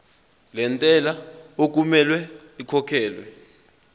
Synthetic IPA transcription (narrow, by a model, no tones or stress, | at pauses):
lɛntʼɛlaok̬ʼumɛlwɛ | ikʰɔkʰɛːlwɛ